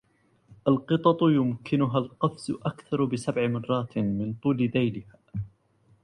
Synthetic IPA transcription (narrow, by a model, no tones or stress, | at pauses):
ʔalqɨt̪ˤɑt̪ˤjʊmkʰɪnʊɦalqɑfzʊʔakθɑɾˤbɪsabʕɪmɑrˤːɑːt̪mɪnt̪ˤuːlɪd̪ajlɪhaː